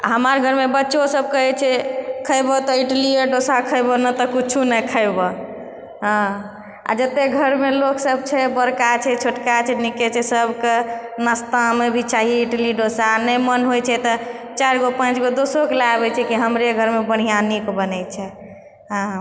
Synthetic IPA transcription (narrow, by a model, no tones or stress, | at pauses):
ɦəmaɾɡʱəɾmebətːʃosəb̚kəɦɛt͡ʃʰɛkʰəɪbɔt̪ɔiʈlieɖosakʰəɪbɔnət̪ɔkut͡ʃʰunəkʰəɪbɔ | ɦã | a̰d͡ʒət̪eɡʱəɾmeloksəb̚t͡ʃʰɛbəɾkat͡ʃʰɛt͡ʃʰoʈkat͡ʃʰɛnikɛt͡ʃʰɛsəbʱkenəst̪amebʱit͡ʃaɦiiʈliɖosanəmənɦojt͡ʃʰɛt̪ɔt͡ʃaɾɡopãt͡ʃɡod̪osokelaabɛt͡ʃʰɛkiɦəmɾeɡʱəɾmebəɽ̤̃ijanikbənət͡ʃʰɛ | ɦã